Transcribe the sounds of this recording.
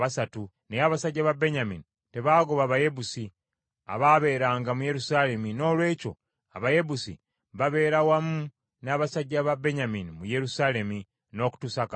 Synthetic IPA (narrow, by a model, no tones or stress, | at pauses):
βasatu | nejaβasaɟːaβabe̞ɲamini | te̞βaːɡoβaːβaje̞busi | a̰βaβe̞ːɾaːŋɡamuje̞ɾusale̞mino̞ːlwe̞ːco̞̰ | a̰βaje̞busḭ | βaβe̞ːɾawamu | naːβasaɟːaβabe̞ɲaminimuje̞ɾusaːle̞mi | no̞ːku̥tusak